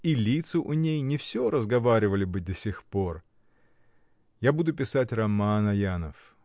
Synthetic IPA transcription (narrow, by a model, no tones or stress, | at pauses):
ilʲit̪sɨʔʊnʲejnʲɪfsʲoɾəzɡɐvaɾʲɪvəlʲɪbɨd̪ɐsʲɪxpo̞r | jabud̪ʊpʲɪsatʲrɐmanɐjanə̰f